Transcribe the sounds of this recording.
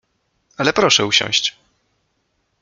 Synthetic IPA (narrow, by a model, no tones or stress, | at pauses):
alɛpɾɔʂɛuɕɔ̰̃w̃ɕt͡ɕ